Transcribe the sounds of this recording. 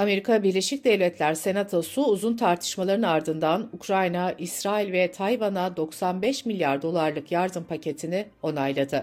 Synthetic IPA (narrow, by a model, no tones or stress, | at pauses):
ame̞ɾikʰabiɾlʲe̞ʃic̚d̪ɛvlʲɛt̪ʰlʲæɾse̞nat̪ʰosuːzunt̪ʰaɾt̪ʰɯ̥ʃmalˠaɾɯnaɾd̪ɯnd̪anukɾajnaisɾaːilʲvɛt̪ʰajvanad̪o̞ksanbɛʃmilʲjaɾd̪o̞lˠaɾlˠɯkjaɾd̪ɯmpʰacʰe̞t̪ʰinɪ | o̞najlˠad̪ɯ